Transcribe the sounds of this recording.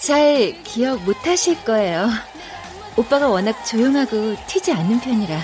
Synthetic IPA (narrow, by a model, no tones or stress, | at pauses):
t͡ɕaɭkijʌk̚motʰaɕʰiɭk͈ʌe̞jo | op͈aɡawʌnak̚t͡ɕojoŋɦaɡotʰid͡ʑianːɯnpʰjʌɲiɾa